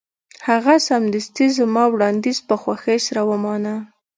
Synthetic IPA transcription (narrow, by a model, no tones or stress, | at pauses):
haɣasamd̪ɪst̪izəmɑwɽɑnd̪izpəxwaxəsaɾawəmɑna